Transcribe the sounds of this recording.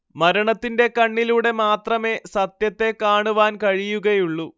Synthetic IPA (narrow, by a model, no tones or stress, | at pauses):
mɐɾɐɳɐt̪ːinde̞kɐɳːiluːɽe̞maːt̪rɐme̞sɐt̪jɐt̪ːe̞kaːɳuʋaːnkɐɻijuɣɐjuɭːu